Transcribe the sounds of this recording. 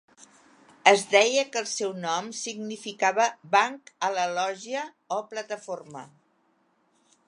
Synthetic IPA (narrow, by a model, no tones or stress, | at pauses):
əzdɛjəkəːlˠsɛwnɔmsiɡnifikaβəbaŋkələlɔʒiə | ɔplət̪əformə̰